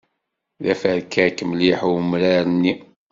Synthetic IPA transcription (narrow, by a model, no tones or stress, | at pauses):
ðæfæɾkːækəmliħwmɾaɾənːi